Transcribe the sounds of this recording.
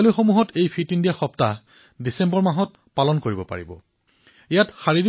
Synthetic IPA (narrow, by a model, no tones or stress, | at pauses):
loxomuɦɔtejpʰitindiaxɔpta | disembɔɹmaɦɔt̚ | palɔnkoɹibɔpa̰ɹḭbɔ̰ | ejatxaɹidi